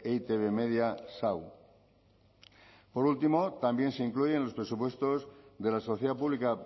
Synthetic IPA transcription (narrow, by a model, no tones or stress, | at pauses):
et̪eβemeðjasaw | po̞ɾult̪imo̞t̪ambje̞nseiŋklujenlo̞spɾe̞supwe̞st̪o̞zðe̞lasoθjðap̬uβlika